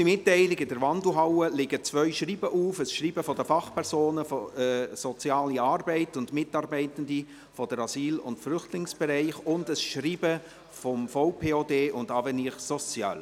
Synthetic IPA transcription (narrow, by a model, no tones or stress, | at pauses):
imɪtːɛɪlɪɡɪdəɾvɑndl̩ɦɑwəlɪɡət͡svœʏʃriːbəʔuːfəsʃriːbəfɔdəfɑχpʰɛʁzoːnəfɔsɔt͡sjɑːliɑːrbɛɪtʊndmɪtɑːɾbɛɪtən̩di | fɔdəɾɑziːlʊ̰ntflʏχtlɪŋsb̥ɛɾɛɪχʊndəsʃriːbə | fɔmfoʊpʰeːoːdeːʊndɑːvɛniχsɔt͡sjɑ̰ːl